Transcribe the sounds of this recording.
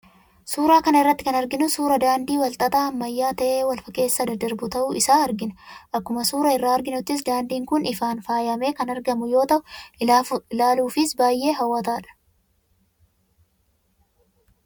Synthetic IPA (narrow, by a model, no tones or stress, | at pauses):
suːɾaːkɐnɐɪrːɐt̪ːɪ̥kɐnɐɾɡɪnʊsuːɾɐd̪aːnd̪iːwɐlt̪ʼɐt̪aːɐmːɐjːaːt̪ɐʔeːwɐlfɐkːe̞ːsːɐd̪ɐd̪ɐɾbʊt̪ɐʔuːʔɪsaːɐɾɡɪnɐʔɐkːʊmɐsuːɾɐɪrːaːɐɾɡɪnʊt̪ːɪs̬d̪aːnd̪iːŋkʊnɪfaːnfaːjɐme̞ːkɐnɐɾɡɐmʊjo̞ːt̪ɐʔʊ | laːluːfɪsbaːjːe̞ːɦɐwːɐt̪aːᶑɐ̥